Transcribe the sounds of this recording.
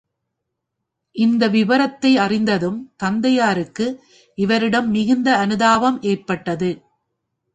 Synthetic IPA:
ʔɪnd̪ɐʋɪʋɐɾɐt̪ːɐɪɐrɪnd̪ɐðɯmt̪ɐnd̪ɐjaːɾɯkːɯ | ʔɪʋɐɾɪɽɐmːɪɣɯnd̪ɐɐnɯðaːʋɐmʔeːrpɐʈːɐðɯ

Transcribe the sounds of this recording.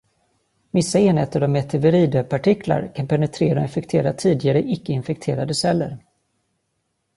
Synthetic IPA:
mɪsːaeːnheːt̪əɾɔmɛt̪ʰɛvəɾiːd̪øpʰaʈʰɪkʰla̰ɾkʰanpʰɛnət̪ʰɾeːɾaɔɪnfɛkt̪ʰeːɾat̪ʰiːd̪ɪɡaɾəʔɪkːəɪnfɛk̚t̪ʰeːɾad̪əsɛlːə̰ɾ

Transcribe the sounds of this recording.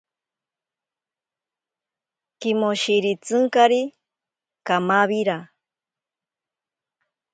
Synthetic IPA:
kimoʃiɾit͡sɨŋkaɾi | kamaβiɾa

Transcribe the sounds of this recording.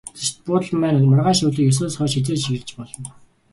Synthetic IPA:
t͡seʃt̪̚pʊːt̪ə̆ɮmæːnmʊrʁaːʃʊːɮiːkjɵs̬oːsχœːʃit͡seːʃiɣ̆ɮt͡ɕpɔɮɞ̆n

